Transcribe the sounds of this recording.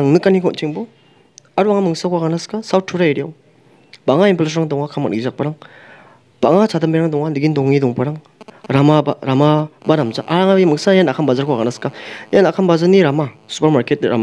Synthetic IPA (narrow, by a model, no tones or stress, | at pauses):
aŋnɯkːanikʰɔntʰiŋbɔ | aɾuaŋamɯŋsakʰwaɡanaskasawt̚ʰːuɾaeɾijaw | baŋaimples̬ɾaŋdɔŋakʰama̰ʔɡizak̚paɾaŋ | b̥aŋasʰadambiɾaŋdɔŋaliɡindɔŋidɔŋpaɾaŋ | ɾamabaɾamabanamzaʔaɾaŋaimɯŋsajanakʰanbazaɾkʰwaɡanaskajanakʰanbazaniɾamasu̥pɐɾmaɾket̚ɾa̰m